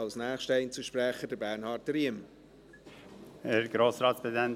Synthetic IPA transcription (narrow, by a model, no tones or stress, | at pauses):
ɑlsnæːχʃtɛɪnt͡suʃpɾɛχədəɾbæːɾnhɑːɾtɾiəm | hɛɾɡ̥ɾoːsɾɑːt̪spʰeezdæn